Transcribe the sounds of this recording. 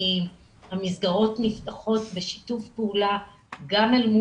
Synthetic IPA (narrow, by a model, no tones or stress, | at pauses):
im | hamizɡaʁo̞tniftaχo̞tbe̞ʃi̥tufpeula | ɡamelmu